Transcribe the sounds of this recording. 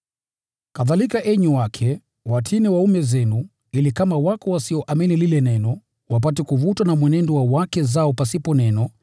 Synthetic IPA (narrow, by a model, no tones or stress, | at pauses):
kaðalikaʔɛɲuwakʰɛ | watʰiniwaumɛzɛnu | ilikamawakɔwasiɔʔaminililɛnɛnɔ | wap̬atɛkuvutwanamwɛnɛndɔwawakɛzaɔpasipɔnɛnɔ